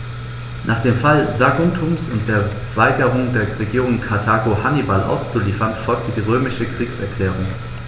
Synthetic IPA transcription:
nʔaːχd̥eːmfalzaɡʊntʰumsʊnt̚d̥eːɐ | vaɪɡəʁʊŋdeːɐʁeɡiːʁʊŋkʰaɐtʰaːɡohanibalʔa̰ʊst͡suliːfɐnfɔlk̚tədiːʁøːmɪʃəkʁ̥iːksɛɐkl̥ɛːʁ̞ʊŋ

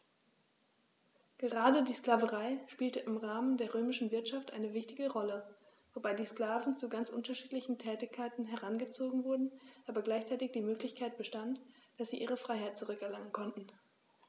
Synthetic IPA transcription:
ɡ̥əʁaːdədiːskl̥aːvəʁaɪʃpiːltəʔɪmʁaːməndeːɐʁøːmɪʃn̩vɪɐtʃaftʔa̰ɪnəvɪçtɪɡəʁɔlə | vobaɪdiːskl̥aːvn̩t͡suɡant͡sʔʊ̰ntɐʃiːtlɪçn̩tʰɛːtɪçkʰːaɪtn̩ɦɛʁanɡət͡soːɡŋ̩vʊɐdn̩ʔaːbɐɡlaɪçt͡saɛɪtɪçd̥iːmøːklɪçkʰaɪt̚b̥əʃtantd̥asz̥iːʔiːʁəfʁ̥aɪɦhaɪt̚t͡suʁʏkɛɐlaŋənkʰɔntn̩

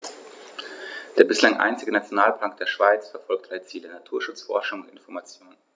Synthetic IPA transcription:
d̥eːɐbɪslaŋʔa̰ɪnt͡sɪɡənat͡sjonaːlpʰlaŋk̚d̥eːɐʃv̥aɪt͡sfɛɐfɔlk̚tʰʔalət͡siːlənatʰuːɐʃʊt͡sfɔ̰ɐʃʊŋʊntɪnfɔɐmat͡sjoːnənn

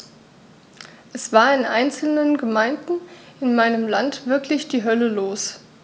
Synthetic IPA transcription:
ʔɛsv̥aːɐɪnʔa̰ɪnt͡sl̩nənɡəmaɪndn̩ʔɪnmaɪnəmlantv̥ɪɐklɪçd̥iːɦœləloːs

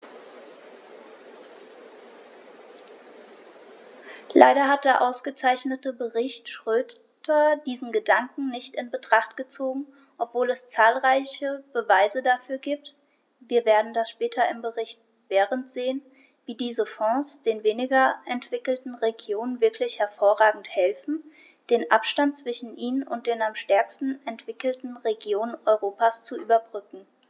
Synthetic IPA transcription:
lʔa̰ɪɾɐɦat̚d̥eːɐʔaʊsɡ̥ət͡saɪçnətəbəʁɪçtʃʁ̥øː | tɐdiːzn̩ɡədaŋkŋ̩nɪçtɪnbətʁ̥aχtɡ̥ət͡soːɡŋ̩ | ʔɔpv̥oːlɛst͡saːlʁaɪçəb̥əvaɪzədafyːɐɡiːp̚t | viːɐveːɐdn̩dasʃpɛːtʰɐɪmbəʁɪçt̚ | v̥ɛːʁəntz̥eːən | viːdiːzəfɔ̃ːsd̥eːnveːnɪɡɐʔɛntv̥ɪkl̩tn̩ʁeɡjoːnənvɪɐklɪçhɛɐfoːɐʁaːɡŋ̩thɛlfn̩ | d̥eːnʔapʃtant̚t͡sv̥ɪʃn̩ʔiːnənʊnt̚d̥eːnamʃtɛɐkstn̩ɛntv̥ɪkl̩tn̩ʁeɡjoːnənʔɔʏʁoːpast͡suʔyːbɐbʁʏkŋ̩

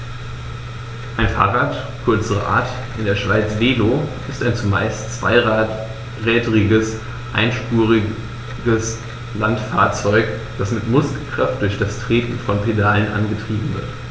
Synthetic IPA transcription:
ʔaɪnfa̰ːʁaːt | kʰʊɐt͡səʁə̰ʔa̰ːɐt | ʔɪndeːɐʃv̥aɪt͡sv̥eːloʔɪstaɪnt͡suma̰ɪst͡sv̥a̰ɪ | ʁɛːdəʁɪɡəs | ʔa̰ɪnʃpuːʁɪ | ɡəs | lantfaːɐt͡sɔʏk | d̥asmɪtmʊskl̩kʁ̥aft̚d̥ʊɐçd̥astʁ̥eːtn̩fɔnpʰedaːlənʔa̰nɡətʁ̥iːbm̩vɪɐt

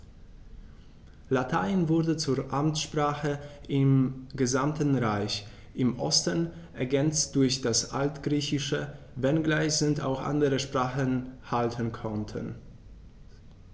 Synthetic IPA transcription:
latʰaɪnvʊɐdət͡suːɐʔamtʃpʁ̥aːχəʔɪmɡəzamtn̩ʁaɪç | ʔɪmʔɔstən | ʔɛɐɡɛnt͡st̚d̥ʊɐçd̥asʔa̰ltɡ̥ʁiːçɪʃə | vɛnɡlaɪsənta̰ʊxʔa̰ndəʁəʃpʁ̥aːχənhaltʰənkʰɔntʰə̰n

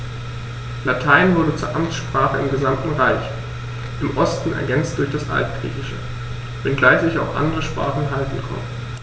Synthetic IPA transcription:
latʰaɪnvʊɐdət͡suːɐʔamt͡sʃpʁ̥aːχəɪmɡəzamtn̩ʁaɪç | ʔɪmʔɔstn̩ʔɛ̰ɐɡɛnt͡st̚d̥ʊɐçd̥asʔa̰ltɡ̥ʁḭːçɪʃə̰ | b̥ɛnɡ̥laɪçz̥ɪçaʊxʔa̰ndəʁəʃpʁ̥a̰ːχn̩ɦaltn̩kʰɔ̰mə

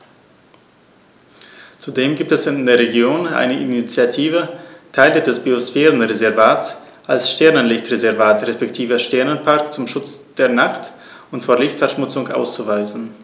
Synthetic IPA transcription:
t͡sudeːmɡiːp̚tɛsɪndeːɐʁeɡjoːnʔa̰ɪnəʔinit͡sjatʰiːvətʰaɪlədɛsb̥iosfɛːʁənʁezɛɐvaːts | ʔalsʃtɛɐnənlɪçtʁezɛɐvaːtʁespɛktʰiːvəʃtɛɐnənpʰaɐkt͡sʊmʃʊt͡sd̥eːɐnaχt | ʊntfoːɐlɪçtfɛɐʃmʊt͡sʊŋʔa̰ʊst͡suvaɪzn̩

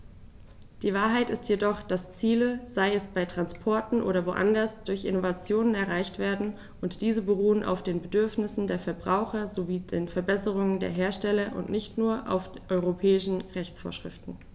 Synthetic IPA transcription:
d̥iːvaːɐɦaɪtɪstjedɔχd̥ast͡siːləz̥aɪɛsb̥aɪtʁ̥anspʰɔɐtn̩ʔo̰ːɾɐvoʔa̰ndɐsd̥ʊɐçʔɪ̰novat͡sjoːnənɛɐʁaɪçtv̥eːɐdn̩ | ʔʊntd̥iːzəbəʁuːənʔa̰ʊfd̥eːnbədʏɐfnɪsn̩deːɐfɛɐbʁaʊxɐzoviːdeːnfɛɐbɛsəʁ̞ʊŋəndḛːɐɦeːɐʃtɛlɐʔʊ̰ntnɪçtnuːɐʔa̰ʊfʔɔʏʁopʰɛːɪʃn̩ʁɛçt͡sfoːɐʃʁ̥ɪ̰ftn̩

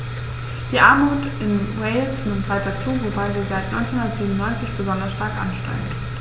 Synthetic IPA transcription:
d̥iːʔaɐmuːt | ɪnʁeɪlsnɪmtv̥aɪt̚d̥at͡suːvobaɪziːzaɪtnɔʏnt͡senhʊndɐtz̥iːbmnʊnːɔʏnt͡sɪçb̥əzɔndɐsʃtaɐkʔa̰nʃtɛ̰ɪən

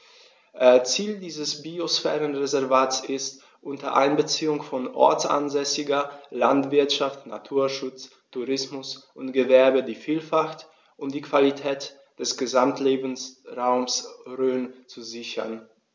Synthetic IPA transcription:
ʔt͡siːldiːzəsbiosfɛːʁənʁezɛɐvaːtsɪst | ʔʊntɐʔa̰ɪnbət͡siːʊŋfɔnʔɔ̰ɐt͡sʔa̰nzɛsɪɡɐlantv̥ɪɐtʃaftna̰tʰuːɐʃʊt͡s | tʰːuʁɪsmʊsʔʊntɡ̥əvɛɐbədiːfiːlfaxt | ʔʊntd̥iːkv̥alitʰɛːt | d̥ɛsɡ̥əzamtʰleːbn̩sʁaʊmsʁøːnt͡suzɪçɐ̰n

